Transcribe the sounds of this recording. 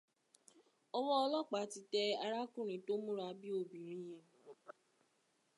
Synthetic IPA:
ɔ˧wɔ˦ɔ˧lɔ˦˨k͡pa˨˦ti˧tɛ˧a˧ɾa˦kũ˦˨ɾ̃ĩ˨˦to˦mũ˦ɾa˧bi˦o˧˨bĩ˨ɾ̃ĩ˦j̃ɛ̃˧

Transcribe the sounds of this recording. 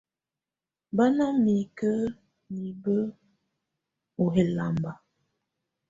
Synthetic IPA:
ba˦na˦mi˨kə˦ | mi˨bə˦ | o˨ɦe˨la˨mba˨

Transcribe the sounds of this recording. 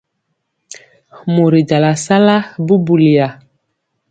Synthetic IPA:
mu˨ɾi˨d͡ʒa˨la˨sa˦la˦bu˦bu˨li˨ja˨

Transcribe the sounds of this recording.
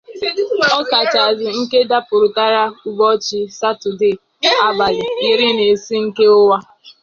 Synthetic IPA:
ɔ˦ka˨t͡ʃa˨zɪ˨ŋ̩˦ke˦da˦pʊ˨ɾʊ˨ta˦ɾa˦ʊ˨ɡ͡bɔ˦t͡ʃɪ˦sa˦tʊ˨de˦˨ | a˦ba˨lɪ˨jɪ˦ɾɪ˦ne˨si˦ŋ̩˦ke˦ʊ˦wa˦

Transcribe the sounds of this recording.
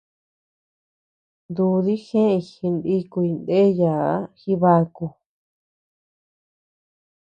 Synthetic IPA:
nd̪u˧ði˦xẽ˦i˧˨xi˧nd̪i˦ku˧i˧nd̪e˦ja˨˦xi˦βa˧ku˧

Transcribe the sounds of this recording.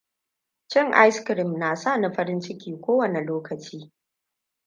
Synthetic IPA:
t͡ʃɪ˦˨ŋʔa˦jskɾɪ˨mnaː˨sa˦˨na˦ɸɐ˦ɾɪ˦nt͡ʃɪ˦kʲiː˨kʷoː˦wɐ˨ne˨loː˦kɐ˨t͡ʃiː˦

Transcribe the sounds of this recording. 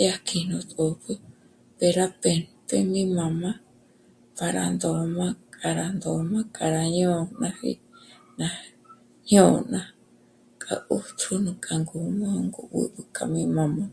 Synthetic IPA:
ja˦kʰi˧nõ˧t̪ʼo˨pɨ˦ | pe˧ɾa˦pe˧npe˧mĩ˦mã˨mã˦ | pa˨ɾa˨nd̪o˨mã˦kʼa˨ɾa˨nd̪o˨mã˦kʼa˨ɾa˧ɲõ˦nã˧hḭ˦ | nã˨ | ɲo˨nã˨ | kʼa̰˨ʔu˦t̪ʰu˦nũ˧kʼa˨ŋɡu˨˧mõ˦ŋɡu˧βṵd̪u˧kʼa˨mĩ˦mã˨mã˧

